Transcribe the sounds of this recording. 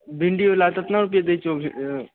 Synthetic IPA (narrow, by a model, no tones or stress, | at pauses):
bʱiɳɖiolat̪ɐt̪naɾup̬ijed̪et͡ʃo